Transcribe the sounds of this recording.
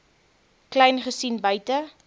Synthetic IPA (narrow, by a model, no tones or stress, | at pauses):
klɛjnχəsinbœɥtə